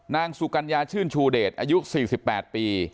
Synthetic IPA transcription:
naː˧ŋsu˧˩ka˧njaː˧t͡ɕʰɯː˥˩nt͡ɕʰuː˧deː˨˩t̪̚ʔaː˧ju˦˥siː˨˩si˨˩pːɛː˨˩t̪̚piː˧

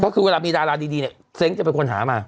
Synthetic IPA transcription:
pʰɔ˦˥kʰɯː˧we˧laː˧miː˧ɾaː˧ɾaː˧diː˧diː˧ni˩ | se˦˥ŋt͡ɕa˨˩pe˧nkʰo˧nɦa̰ː˩˦maː˧

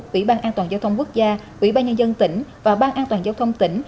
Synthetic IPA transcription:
ʔwḭ˧˥ɓaː˧nʔaː˧nt̪waː˨˩nzaː˧wt̪ʰə˧wŋ͡mku˦˥ək̚zaː˧ʔwḭ˧˩˥ɓaː˧ɲə˧nzə˧nt̪ï˧˩ŋ̟vaː˨˩ɓaː˧nʔaː˧nt̪waː˨˩nzaː˧wt̪ʰə˧wŋ͡mt̪ï˧˩ŋ̟

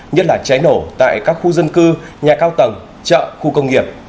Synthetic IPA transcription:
ɲə˦˥t̚laː˨˩t͡ɕa˨˦jno˧˩t̪a̰ː˧˨jkaː˦˥k̚xu˧zə˧nkɨ˧ɲaː˨˩kaː˧wt̪ə˨˩ŋ͡m | t͡ɕə̰ː˧˨xu˧kə˧wŋ͡mŋi˨˩əp̚

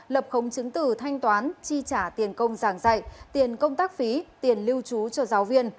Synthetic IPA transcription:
lə˨˩p̚xə˨˦wŋ͡mt͡ɕɨ˨˦ŋt̪ɨ˧˩t̪ʰa˧jŋ̟t̪waː˨˦nt͡ɕi˧t͡ɕaː˧˩t̪i˨˩ənkə˧wŋ͡mzaː˧˩ŋza˧˩jt̪i˨˩ənkə˧wŋ͡mt̪aː˦˥k̚fi˨˦t̪i˨˩ənli˧wt͡ɕu˨˦t͡ɕɔ˧zaː˨˦wvi˧ən

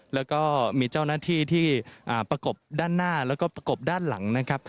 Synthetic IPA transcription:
lɛː˦˥wkɔː˥˩miː˧t͡ɕa˥˩wnaː˥˩t̪ʰiː˥˩t̪ʰiː˥˩ʔaː˨˩pɾa˧ko˨˩p̚daː˥˩nːaː˥˩lɛː˦˥wkɔː˥˩pɾa˧ko˨˩p̚daː˥˩nla˩˦ŋna˦˥kʰa˦˥p̚

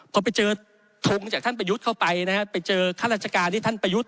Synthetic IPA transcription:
pʰɔ˧pa˧jt͡ɕɤː˧ | t̪ʰu˧ŋt͡ɕaː˨˩k̚t̪ʰa˥˩p̬a˧ju˦˥kʰa˥˩wpa˧jna˦˥kʰa˦˥pa˧jt͡ɕɤː˧kʰaː˥˩ɾa˦˥t͡ɕa˧kaː˧nt̪ʰiː˥˩t̪a˥˩npa˧ju˦˥t̪̚

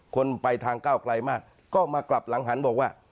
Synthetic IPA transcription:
kʰo˧npa˧jt̪ʰaː˧ŋkaː˥˩wkʰla˧jmaː˥˩k̚ | kɔː˥˩maː˧kla˨˩p̚la˨˩˦ŋɦa˩˦nbɔː˨˩k̚waː˥˩

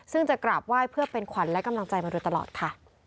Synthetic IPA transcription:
sɯ˥˩ŋt͡ɕa˨˩kɾaː˨˩p̚waː˥˩jpʰɯ˥˩ɐpe˧nkʰa˩˦nlɛ˦˥ka˧mla˧ŋt͡ɕa˧jmaː˧du˧t̪a˧lɔ̰ː˨˩t̪̚kʰa˥˩

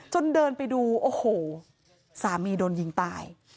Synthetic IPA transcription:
t͡ɕo˧ndɤː˧npa˧jduː˧ʔoː˧˩hoː˨˩ | saː˩˦miː˧doː˧nji˧ŋt̪aː˧j

